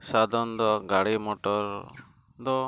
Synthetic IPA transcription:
sad̪ʱɔnd̪ɔɡaɽimɔʈɔɾ | d̪ɔ

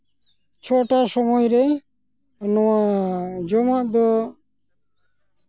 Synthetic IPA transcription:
t͡ʃʰɔʈasɔmɔjɾɛ | nɔwad͡ʒɔmaʔd̪ɔ

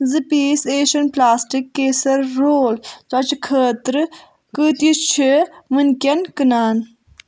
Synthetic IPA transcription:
zɨpiːseːʃɐnplaːsʈikːeːsɐɾːoːlt͡sɔt͡ʃkʰəːt̪ɾɨ | kɨːt̪jit͡ʃʰimɨnkʲɐnkɨnaːn

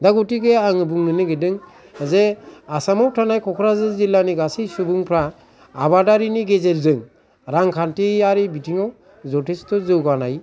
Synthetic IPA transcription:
daɡutiɡeaŋɯbuŋnɯnɯɡedɯŋ | zeasamawtʰanajkʰɔkʰɾazɯzilːaniɡasisubuŋpʰɾaː | badaɾiniɡezeɾzɯŋ | ɾaŋkʰantiaɾibitʰiŋaw | zɔtʰistɔzɯwɡanaj

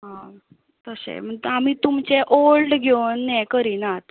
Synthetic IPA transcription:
ɦã | t̪əsḛm̤əɳt̪amiːt̪umt͡ɕeʔoɭʈɡʱenːɛkəɾiːnat̪

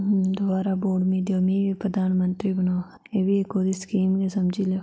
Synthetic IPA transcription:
d̪obaːɾaboːɖmĩd̪jomĩʋipɾɐd̪ʱaːnmə̃nt̪ɾibɐnoː | ebiekoːd̪iskiːmkesɐmd͡ʒʱile

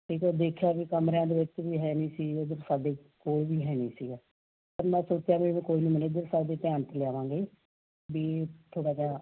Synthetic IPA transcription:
ʈʰiːkɛd̪eːkʰjaːʋiːkəmɾãːd̪eːʋɪt͡ʃʋiːɦɛːniːsiːod̪əɾsaːd̪eːkoːlʋiːɦɛːniːsiːɡɛː | pəɾmɛ̃ːsʊːɾt̪ejaːʋẽmɛ̃ːkoːiːnũːməneːd̪əɾsaːd̪eːpɪjaːnət̪lɪjaːʋãːŋɡeː | biːt̪ʰoːɽaːkjaː

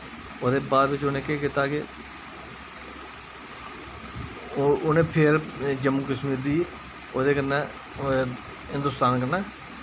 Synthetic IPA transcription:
oːd̪eːbaːd̪ʋɪt͡ʃʊnẽːkeːkɪt̪aːɡeː | ʊnẽːpʰɪɾd͡ʒəmːuːkəsmiːɾd̪iː | oːd̪eːkənːeː | ɦɪ̃nd̪ʊst̪aːnkənaː

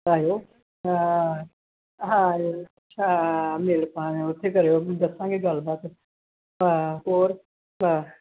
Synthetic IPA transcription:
aːjoː | ɦã | ɦãjoɐːʃʰameːlpaːnɛ̃ʊt̪ʰːekɐɾejod̪ɐsãkeɡalbaːt̪ | aːoːɾ | aː

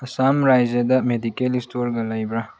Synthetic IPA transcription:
ɐsamɾajzed̪ɐmedikelistoɾɡɐlajbɾa

